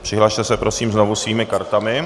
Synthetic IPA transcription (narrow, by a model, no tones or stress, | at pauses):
pr̝̥ɪɦlaːʃt̪ɛsɛpɾo̞siːmzno̞vusviːmɪkaɾt̪amɪ